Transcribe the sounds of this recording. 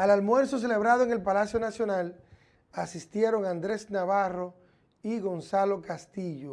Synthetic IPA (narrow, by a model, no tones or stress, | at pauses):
alalmwe̞ɾso̞s̬e̞le̞β̞ɾaðoeŋelpalasjo̞nasjo̞nal | asist̪je̞ɾo̞ŋand̪ɾe̞snaβaro | iɣo̞nsalo̞kast̪iʝo